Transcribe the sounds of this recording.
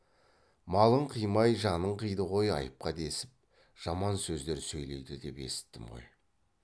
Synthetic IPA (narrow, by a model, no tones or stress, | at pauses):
mɑlˠəɴqʰijmɑjʒɑnəɴqijd̪əʁo̞jɑ̰jəp̚qɑd̪e̞sɪp̚ | ʒ̥ɑmɑnsɵzd̪e̞ɾsɵjle̞̰jd̪ɪd̪e̞pe̞̰sɪ̥t̪ːɪmʁo̞̰j